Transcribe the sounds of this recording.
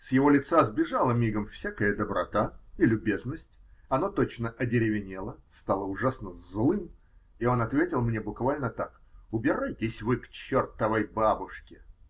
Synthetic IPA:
sjɪvo̞lʲɪt̪sazbʲɪʐalˠəmʲiɡəmfsʲakəjəd̪əbɾɐ̰t̪ailʲʊbʲe̞znəsʲtʲɐnot̪o̞t͡ɕnəʔɐdʲɪɾʲɪvʲɪnʲelˠəst̪alˠəʊʐasnəzlˠɨm | io̞nɐt̪vʲetʲɪlˠmnʲebʊkvalʲnət̪ak | ʊbʲɪɾajtʲɪsʲvɨkt͡ɕert̪əvəjbabʊʂkʲɪ

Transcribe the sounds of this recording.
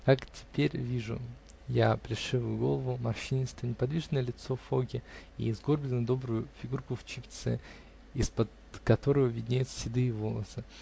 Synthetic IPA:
kaktʲɪ̥pʲeɾʲvʲiʐʊ̰ | japɾʲɪʂɨvʊjʊɡo̞̰lˠəvʊmɐrʂinʲɪst̪vənʲɪpɐd̪vʲiʐɨnəjəlʲɪt̪sofoɡʲɪḭɪzɡo̞rbʲlʲɪnəd̪o̞bɾʊjʊfʲɪɡurkʊft͡ɕɪpʲt̪sɛ̰ | ispəd̪ | kɐt̪o̞ɾəvəvʲɪdʲnʲejt̪ssʲɪd̪ɨːvo̞lˠə̰sɨ

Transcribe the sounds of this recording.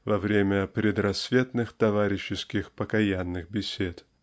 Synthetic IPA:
vɐvɾʲemʲəpɾʲɪd̪rɐsvʲe̞t̪nɨxt̪ɐvaɾʲɪɕːɪskʲɪxpəkɐjanːɨxbʲɪsʲet̪

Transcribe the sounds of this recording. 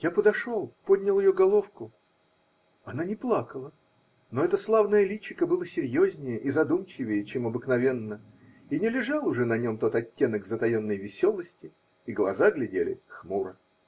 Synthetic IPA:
japəd̪ɐʂo̞lˠpodʲnʲɪlˠjɪjoɡɐlˠo̞fkʊ | ɐnanʲɪplˠakəlˠə | noɛt̪əslˠavnəjəlʲit͡ɕːɪkəbɨlˠəsʲɪɾʲjozʲnʲɪjəʔizɐd̪umt͡ɕɪvʲɪjət͡ɕemɐbɨknɐvʲe̞nːə | inʲɪlʲɪʐalˠʊʐɛnɐnʲo̞mt̪o̞t̪ɐtʲːe̞nəkzət̪ɐjo̞nːəjvʲɪsʲo̞lˠəsʲtʲɪː | ɡlˠɐzaɡlʲɪdʲelʲɪ̰xmuɾə

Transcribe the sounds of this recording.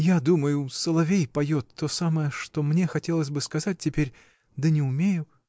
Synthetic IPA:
jad̪uməjʊsəlˠɐvʲejpɐjo̞t̪ːo̞saməjəʂt̪o̞mnʲe̞xɐtʲelˠəsʲbɨskɐzat̚ʲtʲɪpʲeɾʲ | d̪ənʲɪʊmʲejʊ

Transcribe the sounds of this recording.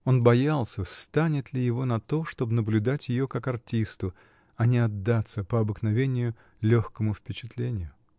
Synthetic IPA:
o̞nbɐjalˠsʲəst̪anʲɪt̪lʲɪjɪvo̞nɐt̪o̞ʂt̪o̞bnəblʲʉd̪atʲjɪjo̞kakɐrtʲist̪ʊ | ɐnʲɪɐd̪ːat̪səpəɐbɨknɐvʲenʲɪjʊ | lʲoxkəmʊfpʲɪt͡ɕɪ̥t̪lʲenʲɪjʊ

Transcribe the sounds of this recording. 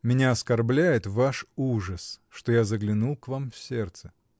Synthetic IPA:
mʲɪnʲaɐskɐrblʲæjɪt̪vaʂuʐəsʂt̪ojazəɡlʲɪnulˠkvamfsʲert̪sə

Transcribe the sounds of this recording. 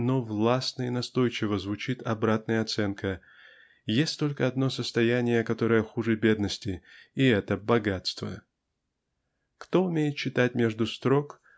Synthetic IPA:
novlˠasnəɪnɐst̪o̞jt͡ɕɪvəzvʊt͡ɕit̪ɐbɾat̪̚nəjəɐt̪sɛnkʰə | jesʲtʲt̪o̞lʲkəɐd̪no̞səst̪ɐjænʲɪjəkɐt̪o̞ɾəjəxuʐɨbʲe̞d̪nəsʲtʲɪːɛt̪əbɐɡat̪st̪və̰ | kt̪o̞ʊmʲejɪt̪̚t͡ɕːɪt̪atʲmʲe̞ʐd̪ʊst̪ɾo̞k

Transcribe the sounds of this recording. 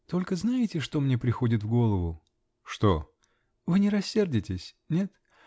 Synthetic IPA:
t̪o̞lʲkəznajɪtʲɪʂt̪o̞mnʲepɾʲɪxo̞dʲɪt̪vɡo̞lˠəvʊ | ʂt̪o̞ | vɨnʲɪɾɐsʲːe̞rdʲɪtʲɪsʲ | nʲe̞t̪

